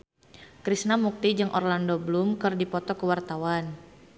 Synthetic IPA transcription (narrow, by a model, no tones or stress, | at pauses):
kɾisnamuk̚t̪id͡ʒɨŋʔɔrlandobəlumkɨrdipɔt̪ɔkəwart̪awan